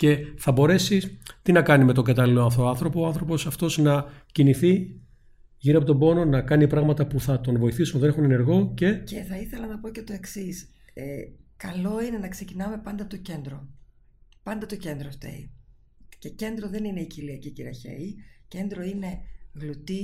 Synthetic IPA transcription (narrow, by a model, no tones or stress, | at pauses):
ce̞θɐbo̞ɾe̞sit̪inɐkɐnime̞t̪oŋɡɐt̪ɐliloɐnft̪oɐnθɾo̞poːɐnθɾo̞po̞sɐft̪o̞znɐciniθi | ʝiɾiɐpo̞t̪o̞bo̞no̞nɐkɐnipɾɐɣmɐt̪ɐpuθɐt̪o̞nvo̞iθisunðe̞ne̞xune̞ne̞ɾɣo̞ce̞ce̞θɐiθe̞lɐnɐpo̞ce̞t̪o̞e̞ksis | ekɐlo̞ine̞nɐkse̞cinɐme̞pɐnd̪ɐt̪o̞ce̞nd̪ɾo | pɐnd̪ɐt̪o̞ce̞nd̪ɾost̪ḛi | ce̞ce̞nd̪ɾo̞ðe̞nine̞iciliɐciciɾɐçḛice̞nd̪ɾo̞ine̞ɣlut̪i